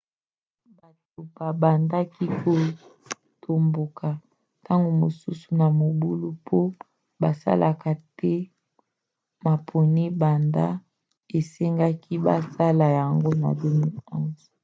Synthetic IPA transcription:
ba˨to˨ba˨ba˨nda˦ki˦ko˨ | tʰo˨mbo˨kʰa˨ | ta˦ŋɡo˨mo˨su˦su˨na˨mo˨bu˦lu˦pʰo˦ | ba˨sa̰˦lʔa˨ka˨tɛ˦ | ma˨pʰo˨ni˦ba˨nda˦ | e˨se˦ŋɡa˦ki˦ba̰˦sa˦la˨ja˨ŋɡo˦na̰˨do˦mu˦ɔ˦nzɔ˨

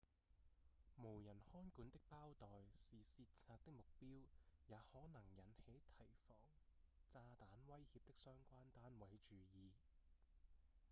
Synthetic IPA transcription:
mo˨˩wjɐ˨˩nhɔː˥nkuː˨˥nt̪ɪ˥k̚paː˥wt̪ɔː˨jsiː˨siː˧t̚t͡sʰaː˧t̚t̪ɪ˥k̚mʊ˨k̚piː˥wjaː˨˧˥hɔː˨˥nɐ˨˩ŋjɐ˨˥nhe˨˥jt̪ʰɐ˨˩jfɔː˨˩ŋt͡saː˧t̪aː˨˥nwɐ˥jhi˧p̚t̪ɪ˥k̚sœː˥ŋkʷaː˥nt̪aː˥nwɐ˨˥jt͡ʃyː˨˧jiː˨˧

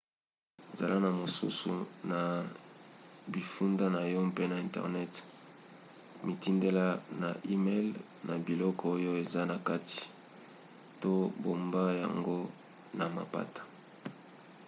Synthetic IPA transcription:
e˨za̰˨la˦na˨mo˨sṵ˦su˨na˨ | bi˨fu˦nda˦na˨jɔ˦pe˦na˨ɛ̃˨ntɛ̰˨ʁnɛ˦t | mi˨ti˦nde˦la˦na̰˨ʔi˦me˦l | na˨bi˨lɔ˦kɔ˦o˦jo˦e˨za˦na˨ka˦ti̥˨ | to˦bo˨mba˦ja̰˨ŋɡo˦ | na˨ma˨pa̰˦tḁ˨

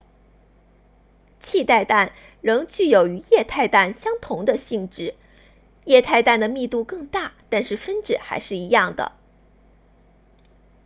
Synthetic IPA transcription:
t͡ɕʰi˥˧t̪a˥˧ɪt̪a˥˩n | ɻɤ˧˥ŋt͡ɕy˥˩jo˨˩ʊy˧˥jɛ˥˧t̪ʰa˥˧ɪt̪a˥˩nɕjɑ˥ŋt̪ʰʊ˧˥ŋd̪ə˧ɕi˥˧ŋʈ͡ʂɻ̩˥˩ | jɛ˥˧t̪ʰa˥˧ɪt̪a˥˩nd̪ə˩mi˥˧t̪u˥˧kɤ˥˧ŋt̪a˥˩t̪a˥˧nʂɻ̩˥˩fə˥nʈ͡ʂɻ̩˥˩xa̰˧˥ɪʂɻ̩˥˩i˧˥jɑ˥˩ŋd̪ə̰˩

